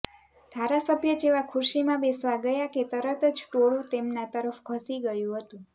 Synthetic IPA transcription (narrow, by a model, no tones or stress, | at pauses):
d̪̥ʱaɾasəbʱjəd͡ʒeʋakʰʊɾʃimãbesʋaɡəjaket̪əɾət̪əd͡ʒʈoɭũt̪emnat̪əɾəfkʰəsiɡəjũɦət̪ũ